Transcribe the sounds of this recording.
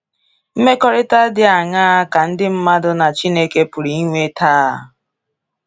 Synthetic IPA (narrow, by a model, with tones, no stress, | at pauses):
m̩˦me˦kɔ˦ɾɪ˦ta˦dɪ˦a˨ŋaː˦a˦ka˨n̩˦dɪ˦m̩˦ma˦dʊ˦na˨t͡ʃi˦ne˦ke˦pʊ˨ɾi˨i˦ŋʷe˦tʰa˦˨